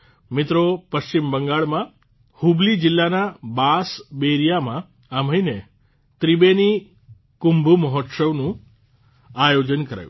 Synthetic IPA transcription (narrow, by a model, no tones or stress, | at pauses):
mɪt̪ɾopəʃt͡ʃimbəŋɡaɭmã | hublid͡ʒɪlːanabasbeɾijamã | am̤əine | t̪ɾibeni | kumbʱuməɦot̪səʋnũ | ajod͡ʒənkəɾa̰jṵ̃